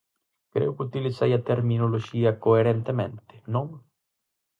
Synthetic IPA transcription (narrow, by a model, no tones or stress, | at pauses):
kɾḛwkut̪ilisɛjat̪eɾminolod͡ʒiːakoeɾent̪emẽnt̪e̥nõŋ